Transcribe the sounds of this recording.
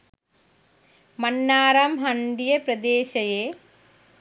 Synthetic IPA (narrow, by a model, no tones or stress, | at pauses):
mɐnːaːɾamɦɐnd̪ijɐpɾɐd̪eːɕɐjeː